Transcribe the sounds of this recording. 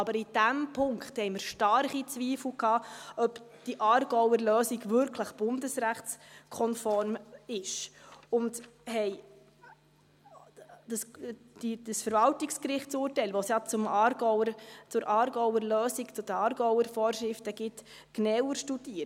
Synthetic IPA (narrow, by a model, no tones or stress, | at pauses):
ɑbəɾid̥æmpʰʊŋkχthɛɪməɾʃtɑɾχit͡sviːfl̩kʰɑːœpd̥iʔɑːɾɡɔwəɾløːsiɡvʏɾkʰləχb̥ʊndəsɾæχskʰɔnfɔɾmɪʃʊndhɛj | d̥əs | d̥id̥əsfəɾvɑltikskɾɪχtt͡suːɾtɛɪlʋosjɑt͡sʊmɑɡɔət͡sʊɾʔɑːɾɡɔwəɾløːsikt͡sʊd̥əɑːɾɡɔwəɾfɔːrʃɾɪftəɡ̥ɪt | knɛwəɾʃtud̥iːə